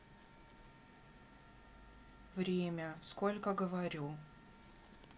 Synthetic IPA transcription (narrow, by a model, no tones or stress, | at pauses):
vɾʲemʲəskolʲkəɡəvɐɾʲu